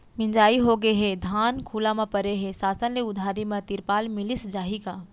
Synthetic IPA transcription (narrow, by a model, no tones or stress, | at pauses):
mɪ̃ɲd͡ʒaːiɦoɡeɦed̪ʱaːnkʰuːlamãpɐɾeɦesaːsənleʊd̪ʱaːɾimɐ̃t̪iɾpaːlmɪlɪsd͡ʒaːɦikaː